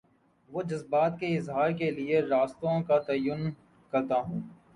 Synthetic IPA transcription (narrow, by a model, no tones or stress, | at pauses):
ʋoːd͡ʒɐzbaːt̪̚keɪzɦaːɾkelieɾaːst̪õkat̪ɐjʊn | kɐɾt̪aɦũː